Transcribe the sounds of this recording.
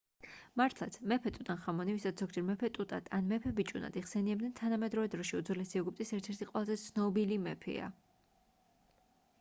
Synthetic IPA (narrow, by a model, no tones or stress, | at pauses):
maɾt̪ʰlˠa̰t̪sʰmɛpʰɛt̪ʼut̪ʼanχamɔnivisat̪z̥ɔɡd͡ʒɛɾmɛpʰɛt̪ʼut̪ʼa̰t̪ʰanmɛpʰɛbit͡ʃʼuna̰d̪iʁsɛniɛbd̪ɛnt̪ʰanamɛd̪ɾɔvɛd̪ɾɔʃiud̪zvlɛsiɛɡup̚ʼt̪ʼisɛɾt̪ʰɛɾt̪ʰiqʼwɛlˠazɛt̪sʰnɔbilimɛpʰɛ̰a̰